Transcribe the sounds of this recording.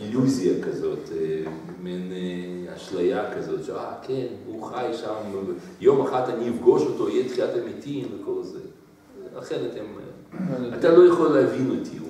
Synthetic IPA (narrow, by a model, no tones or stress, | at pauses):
iluziakazo̞te | mineaʃlajakazo̞t̪ʃeakʰenhuχajʃam | jo̞maχat̪aniifɡo̞ʃotoijet̪χiatemitimveko̞lze | aχeʁet̪em | at̪alojaχoleavinot̪ʰi